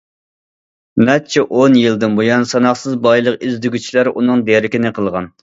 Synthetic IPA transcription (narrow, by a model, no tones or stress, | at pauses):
mɛt͡ʃʰɛʔonjɨlˠd̪ɨnbojɑnsɑnɑχsɨzbɑjlˠəqizd̪yɡʲyt͡ʃʰilæɾunɨŋd̪eɾɪkʲɪnɪqʰəlˠʁɑn